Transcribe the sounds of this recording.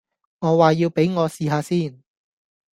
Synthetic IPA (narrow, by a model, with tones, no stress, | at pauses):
ŋɔː˨˧˥waː˨jiː˧wpe˨˥jŋɔː˨˧siː˨˧ɦaː˨˧siː˥˩n